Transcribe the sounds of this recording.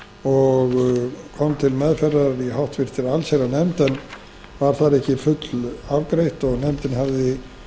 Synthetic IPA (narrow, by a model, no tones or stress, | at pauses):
ɔɣkʰɔmt̪ʰɪlmɛðfɛrːaɾiɦawht̪vɪr̥t̪ɪɾalseɾanɛmt̪ɛn | vaɾ̥θaɾɛhcɪfʏt̪lavkɾejht̪ɔɣnɛmt̪ɪnhavðɪ